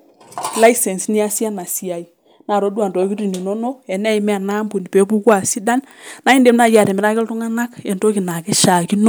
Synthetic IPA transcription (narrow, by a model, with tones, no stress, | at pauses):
la˦sɛ˨nsni˦a˦sja˦na˨si˨a˨i˨ | na˨ɾo˦du˦a˨ndo˨ki˦ɾi˨ni˨nɔ˦no˦ɛ˨n˦a˦i˦mɛ˦a˨na˦mbu˨ni˨pe˨˦pu˦kwa˨si˦da˦n | na˨˦i˦nde˦mna˦˨ja˨ɾɛ˨mɪ˨ɾa˦kɪ˦ltʊ˦ŋa˦na˦kɛ˨nto˦ki˨na˨kɛ˦ʃa˨ki˦no˦